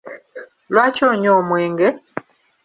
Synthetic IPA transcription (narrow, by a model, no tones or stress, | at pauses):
lwaːcoːɲomweːŋɡe